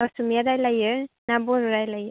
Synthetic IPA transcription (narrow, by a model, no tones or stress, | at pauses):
asumjad̪ajlajɯnabɔɾuɾajlajɯ